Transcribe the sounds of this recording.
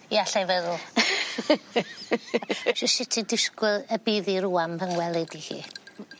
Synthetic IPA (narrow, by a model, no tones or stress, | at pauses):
jaɬajvɛðʊlˠ | ʃɪʃɪtʰidɪskwɪlˠəbiːðiɾuːampənwɛlˠɛdihḭː